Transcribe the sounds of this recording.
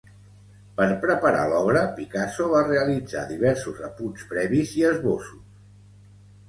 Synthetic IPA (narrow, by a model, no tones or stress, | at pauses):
pəɾpɾəpəɾa̰lɔβɾəpikasoβ̞areəlid͡za̰ðiβɛɾsuzəpunspɾɛβiziəzβosus